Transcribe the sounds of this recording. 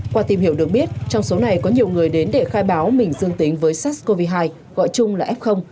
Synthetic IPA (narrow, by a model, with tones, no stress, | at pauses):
kwaː˧t̪i˨˩mhi˧˩əwɗɨ˨˩ək̚ɓi˦˥ət̚t͡ɕɔ˧wŋ͡mso˨˦na˨˩jkɔ˨˦ɲi˨˩əwŋɨ˨˩əjɗe˨˦nɗe˧˩xaː˧jɓaː˨˦wmï˨˩ŋ̟zɨ˧əŋt̪ï˨˦ŋ̟vəː˨˦jsaː˦˥sko˧vi˧ɦaː˧j | ɣɔ̰˧˨jt͡ɕʊ˧ŋ͡mlaː˨˩ʔɛ˦˥p̚xə˧wŋ͡m